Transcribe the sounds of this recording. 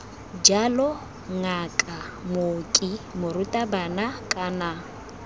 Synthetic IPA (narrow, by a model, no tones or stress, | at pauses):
d͡ʒalɔ | ŋakʼa | mokʼɪmʊɾʊtʼabanakʼana